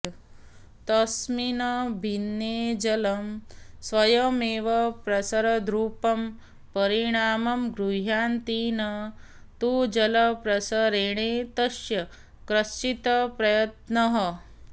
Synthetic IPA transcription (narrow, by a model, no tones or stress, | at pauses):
t̪ɐsminɐbʱinjeːd͡ʒɐlɐmsʋɐjɐmeːʋɐpɾɐsɐɾɐd̪ɾuːpɐm | pɐɾiɳaːmɐmɡɾuɦjaːnt̪iːnɐ | t̪uːd͡ʒɐlɐpɾɐsɐɾeːɳ̃eːt̪ɐʃjɐ | kɾɐst͡ʃit̪ɐpɾɐjɐt̪nɐɦɐ